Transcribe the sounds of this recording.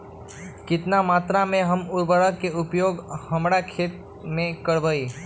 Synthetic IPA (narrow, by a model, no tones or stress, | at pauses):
kɪt̪namat̪ɾamẽɦəmuɾbəɽəkːeupjoɡhəmɽakʰet̪̚ | mẽkəɽbəi